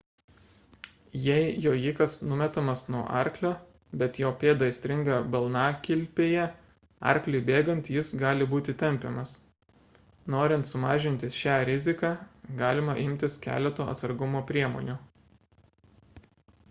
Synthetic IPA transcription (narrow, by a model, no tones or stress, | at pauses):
jɛɪjoːjiːkɐsnʊmʲɛt̪ɐmɐsnuɔʔɑ̰ˑɾʲklʲoː | bʲɛt̪joːpʲeːd̪ɐɪsʲt̪ʲɾʲɪŋɡɑːbɐlˠnɑːkʲɪlʲpʲeːjɛ | ɑ̰ˑɾʲklʲʊɪbʲeːɡɐnt̪jɪsɡɑːlʲɪbuːt̪ʲɪt̪ʲɛmʲpʲɛmɐs | noːɾʲɪnt̪sʊmɑːʒʲɪnʲt̪ʲɪsʃʲæːɾʲɪzʲɪkɑːɡɑːlʲɪmɐʔɪmʲt̪ʲɪskʲæ̰ːlʲɛt̪oːɐ̰t̪sɐɾɡʊmoːpʲɾʲiɛmo̰ːnʲuː